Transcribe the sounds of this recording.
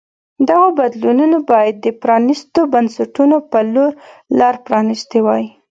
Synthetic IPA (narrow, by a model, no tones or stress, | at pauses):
d̪aɣabad̪lununobɑjad̪̚ːəpɾɑnist̪obansaʈunopəloɾlɑɾpɾɑnist̪ewɑji